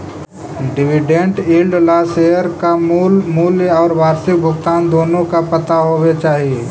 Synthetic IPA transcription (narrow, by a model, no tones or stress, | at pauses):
ɖɪʋɪɖẽɳʈiːlɖlaːseːəɾkamumuːljɔːɾʋaːɾsɪk̚bʱʊɡt̪aːnd̪oːnõkapɐt̪aɦoːʋet͡ʃaːɦie